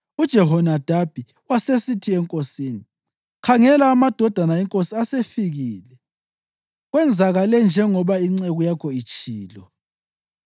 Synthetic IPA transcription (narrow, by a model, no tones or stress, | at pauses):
ud̥ʒ̥ʱɛɦɔnad̥ʱab̥ʱi | wasesitʰiɛŋkʼosiːni | kʰaŋɛlaːmad̥ʱɔd̥ʱanaɛŋkʼosiasefiɣiːlɛ | ɣwɛnd͡zʱaɣalɛnd͡ʒʱɛŋɔβaiŋ͡ǀɛɣujakʰɔit͡ʃʼiːlɔ